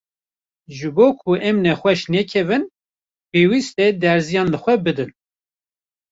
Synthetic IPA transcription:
ʒɨboːkʰuʔɛmnɛxʷɛʃnɛkʰɛvɨn | peːwist̪ɛd̪ɛɾzijɑːnlɨxʷɛbɨd̪ɨn

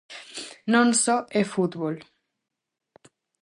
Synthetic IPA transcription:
nõnsoefut̪βol

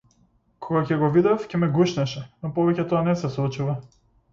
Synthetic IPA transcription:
kʰɔɡacɛɡɔvid̪afcɛmɛɡuʃnɛʃɛnɔpɔvɛcɛt̪ɔanɛsɛslˠut͡ʃuva

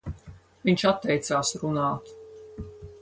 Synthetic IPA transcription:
viɲʲt͡ʃat̪ːɛjt̪saːsɾunaːt̪

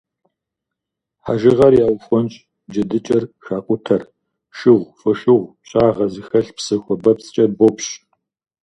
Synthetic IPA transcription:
ħa̰ʒɪʁɐrjaːwxʷɔnɕʼ | d͡ʒɐdɨt͡ʃʼɐrʃaːqʷʼʊtʰɐr | ʃɪʁʷfɨʃɨʁʷɕʼaːʁɐzɨxɐɬpsɨxʷɔbɐpsʼt͡ʃʼɐrbopɕ

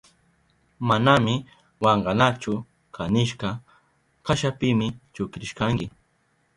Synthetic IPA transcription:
manamɪ | wɑɴɢɑnat͡ʃʊ | kʰanɪʃkɑ | kʰaʃapɪmɪt͡ʃʊkɾɪʃkaŋkɪ

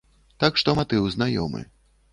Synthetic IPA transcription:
t̪akʂt̪ɔmat̪ɨwznajɔ̰mɨ̰

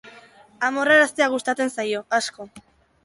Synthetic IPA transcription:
amoraɾast̪eaɣust̪at͡s̪e̞nsajo̞asko̞

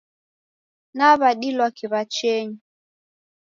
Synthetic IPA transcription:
naβaɗilwakiβat͡ʃɛɲi

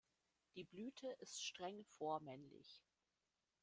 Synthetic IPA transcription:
d̥iːblyːtʰəʔɪstʃtʁ̥ɛŋfoːɐmɛnlɪ̰ç

